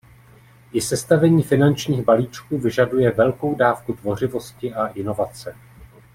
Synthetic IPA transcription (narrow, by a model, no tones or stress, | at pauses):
ɪsɛst̪avɛɲiːfɪnant͡ʃɲiːɣbaliːt͡ʃkuːvɪʒadujɛvɛlko̞wdaːfkut̪vo̞r̝ɪvo̞scɪʔaʔɪno̞vat͡sɛ